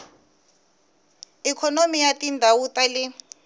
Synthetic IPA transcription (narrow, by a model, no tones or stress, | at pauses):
ikʰɔnomijatʼindʱawutʼalɛ